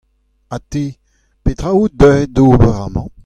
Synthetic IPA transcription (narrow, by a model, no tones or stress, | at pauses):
at̪e | pet̪ʁaud̪œed̪oːbəʁamɑ̃